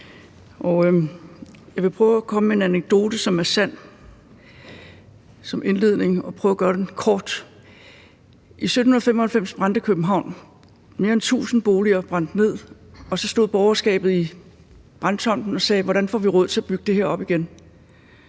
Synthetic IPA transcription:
ʔɒ | jɑɪʋe̝pʰʁœːʊækʰɒ̽məmee̝næneɡ̥̚d̥o̝ːd̥əsɒ̽mæɐsæn̰ | sɒ̽mʔe̝nle̝ð̞̰ˠne̝ŋɒ̽pʰʁœːʊɐɡ̥ɶːɐd̥enkʰɒːd̥ | ʔisødn̩hunɐð̩ˠfem̰ɒ̽hælfem̰sb̥ʁɑ̈nd̥əkʰøb̥m̩ɦɑ̈ʊ̰n | me̝ːɐent͡sʰṵːsn̩b̥o̝ːliɐb̥ʁɑ̈n̰d̥ne̝ð̞̰ˠɒ̽sɒ̽sd̥o̝ð̰ˠb̥ɒʊɐsɡ̥ɛ̰ːb̥ð̞̩ˠi | b̥ʁɑ̈n̥t͡sʰɒ̽m̰d̥n̩ɒ̽sɛːʋɒɾænfɒ̰ːʋiʁɔð̰ˠt͡sʰe̝æb̥yɡ̥əd̥e̝heɐ̰ɒ̽b̥iɡ̥en

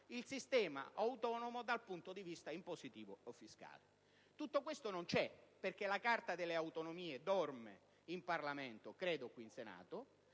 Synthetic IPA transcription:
ilsist̪ɛːma̰ʔawt̪ɔːnomod̪alpunt̪od̪ivist̪aimposit̪iːvoofːiska̰ːle | t̪ut̪ːok̬west̪onont͡ʃɛperkelakart̪ad̪elːeawt̪onomiːed̪ɔrmḛ | imparlament̪okɾeːd̪okwiːnsena̰ːt̪o

